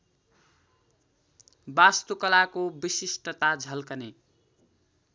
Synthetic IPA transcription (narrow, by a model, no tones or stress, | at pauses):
bast̪ukʌlakobisisʈʌt̪ad͡zʱʌlkʌne